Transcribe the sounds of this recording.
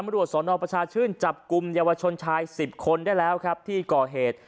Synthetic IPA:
a˧mɾu˨˩ət̪̚sɔː˩˦nɔː˧pɾa˧t͡ɕʰaː˧t͡ɕʰɯː˥˩nt͡ɕa˨˩p̚ku˧mjaː˧wa˧t͡ɕʰo˧nt͡ɕʰaː˧jsi˨˩p̚kʰo˧ndaː˥˩jlɛː˦˥wkʰɾa˦˥p̚t̪ʰiː˥˩kɔː˨˩ɦeː˨˩t̪̚

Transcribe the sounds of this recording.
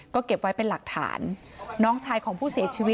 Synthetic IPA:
kɔː˥˩ke˨˩p̚wa˦˥jpe˧nla˨˩k̚t̪ʰa̰ː˩˦nː | ɔː˦˥ŋt͡ɕʰaː˧jkʰɔː˩˦ŋpʰuː˥˩siː˨˩˦ɐt͡ɕʰiː˧wi˦˥

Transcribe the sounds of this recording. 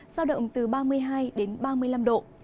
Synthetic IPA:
zaː˧wɗə̰˧˨wŋ͡mt̪ɨ˨˩ɓaː˧mɨ˧əjɦaː˧jɗe˨˦nɓaː˧mɨ˧əjla˧mɗo̰˧˨

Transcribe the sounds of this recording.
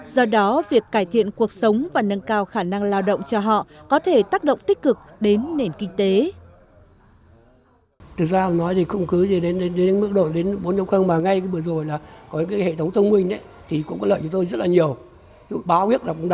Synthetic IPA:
zɔ˧ɗɔ˨˦vi˨˩əkːaː˧˩jt̪ʰḭ˧˨ənku˨˩ək̚sə˨˦wŋ͡mvaː˨˩nə˧nkaː˧wxaː˧˩na˧ŋlaː˧wɗo̰˧˨wŋ͡mt͡ɕɔ˧ɦɔ̰˧˨kɔ˨˦t̪ʰe˧˩t̪aː˦˥k̚ɗo̰˧˨wŋ͡mt̪ï˦˥k̟̚kɨ˨˩k̚ɗe˨˦nːe˨˩nkï˧ŋ̟t̪e˨˦ | t̪ʰɨ˨˩k̚zaː˧˨˩nɔ˨˦jt̪ʰi˨˩xə˧wŋ͡mkɨ˨˦zi˨˩ɗe˨˦nɗe˨˦nɗe˨˦n˨˦mɨ˦˥ək̚ɗo̰˧˨nɗe˨˦nɓo˨˦nɲə˧˦wŋ͡mxə˧ŋmaː˨˩ŋa˧jkə˨˧˦ɓɨ˨˩əzo˨˩jlaː˨˩kɔ˨˦ɲɨ̰˧˥ŋkaː˨˦jhḛ˧˨t̪ʰə˨˦wŋ͡mt̪ʰə˧wŋ͡mmï˧ŋ̟ɗə˨˦ | t̪ʰi˨˩kʊ̰˧˥ŋ͡mkɔ˨˦lə̰ː˧˨jt͡ɕɔ˨˧˦ŋ͡mt̪o˧jzə˦˥t̚laː˨˩ɲi˨˩əw | ṵ˧˩ɓaː˨˦wi˦˥ək̚laː˨˩kʊ̰˧˥ŋ͡mɗ

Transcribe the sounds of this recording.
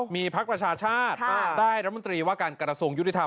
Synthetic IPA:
miː˧pʰa˦˥k̚pɾa˧t͡ɕʰaː˧t͡ɕʰaː˥˩t̪̚daː˥˩jɾa˦˥mo˧nt̪ɾiː˧waː˥˩kaː˧nkɾa˧su˧əŋju˦˥i˧˩t̪ʰa˧

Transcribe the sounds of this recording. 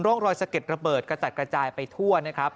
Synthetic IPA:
nɾoː˥˩ŋɾɔː˧jsa˧ke˨˩t̪̚ɾa˧bɤː˨˩t̪̚ka˧˩t͡ɕa˨˩t̪̚kɾa˧t͡ɕaː˧jpa˧jt̪ʰu˥˩əna˦˥kʰɾa˦˥p̚

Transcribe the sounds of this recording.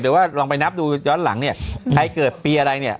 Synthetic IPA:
ɾɯ˩˦waː˥˩lɔː˧ŋpa˧jna˦˥p̚duː˧jɔː˦˥nla̰˩˦ŋni˥˩ɐa˧jkɤː˨˩t̪̚piː˧ʔa˧ɾa˧jni˥˩ɐ

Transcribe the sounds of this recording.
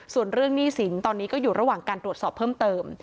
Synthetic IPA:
su˨˩ənɾɯ˥˩əŋniː˥˩si˩˦nt̪ɔː˧nːiː˦˥kɔː˥˩juː˨˩ɾa˧waː˨˩ŋkaː˧nt̪ɾu˩t̪̚sɔː˨˩pʰːɤː˥˩mt̪ɤː˧m

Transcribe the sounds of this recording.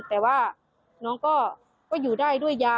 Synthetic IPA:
t̪ɛː˨˩waː˥˩ | nɔː˧˥ŋkɔː˥˩ | kɔː˥˩juː˨˩daː˥˩jdu˥˩əjːaː˧

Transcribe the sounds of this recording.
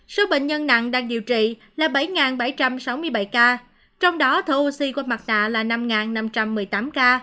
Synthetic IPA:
so˨˦ɓḛ˧˨ŋ̟ɲə˧nna̰˧˨ŋɗaː˧ŋɗi˧˨əwt͡ɕḭ˧˨ | laː˨˩ɓa˧˩jŋaː˨˩nɓa˧˩jt͡ɕa˧msa˨˦wmɨ˧əjɓa˧˩jkaː˧ | t͡ɕɔ˧wŋ͡mɗɔ˨˦t̪ʰu˧si˧ku˧ma˨˩t̚na̰ː˧˨laː˨˩na˧mŋaː˨˩nːa˧mt͡ɕa˧mːɨ˨˩əjt̪aː˨˦mkaː˧

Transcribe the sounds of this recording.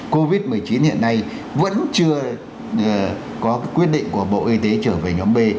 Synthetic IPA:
ko˧vi˦˥t̚mɨ˨˩əjt͡ɕi˨˦nhḭ˧˨ənːa˧j | və̰˧˥nt͡ɕɨ˧ə˨˩ | kɔ˨˦ka˨˦jkwi˦˥ət̚ɗḭ˧˨ŋku˧˩əɓo̰˧˨ʔi˧t̪e˨˦t͡ɕəː˧˩ve˨˩ɲɔ˨˦mɓe˧

